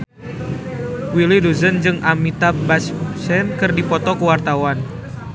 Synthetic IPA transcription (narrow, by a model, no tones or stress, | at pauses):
wiliduzənd͡ʒɨŋʔamit̪abassɛnkɨrdipɔt̪ɔkuwart̪awan